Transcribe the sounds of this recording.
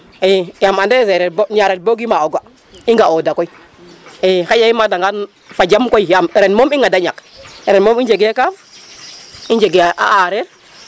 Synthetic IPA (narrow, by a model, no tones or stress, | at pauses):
ejamandeseɾeboɲaɾet̚boɡimaoɡa | iŋɡaodakoi | exajaimadaŋɡan | fad͡ʒamkojjamɾenmomiŋadaɲakeɾenmomind͡ʒeɡekam | ind͡ʒeɡeʔa̰aɾeɾ